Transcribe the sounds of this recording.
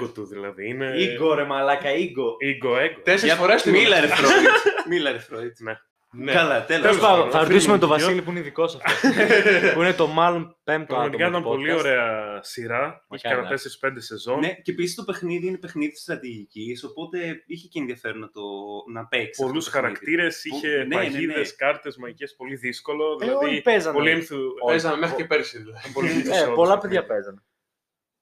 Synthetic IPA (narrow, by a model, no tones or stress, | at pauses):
ɡot̪uðilɐ̰ðiineiɡoɾemɐːlɐkɐiɡoiɡoeɡot̪eseɾsɐsfoɾest̪milɐɾeɾomilɐɾefɾoine | nekɐlɐt̪eleosɐθɐɾot̪isumemt̪ovɐsilipuineiðiko̞sɐfto | puinet̪o̞mɐlo̞npemt̪oɐɐd̪okɐit̪ɐmpo̞lio̞ɾe̞ɐsiɾɐiçeɐnɐte̞seɾispe̞nd̪e̞se̞zo̞nnecepisist̪o̞pe̞xniðiinepe̞xniðit̪sst̪ɾɐt̪iʝiciso̞po̞t̪e̞içeceːnðiɐfe̞ɾonɐt̪onɐpekspo̞lusxɐɾɐkt̪iɾe̞siçe̞neɐniðeskɐɾt̪e̞zmɐʝespo̞liðisko̞lo̞ðilɐipezɐnpoliemθupezɐnɐmexicepeɾsiðulɐðipolieseopolɐpeðʝɐpezɐne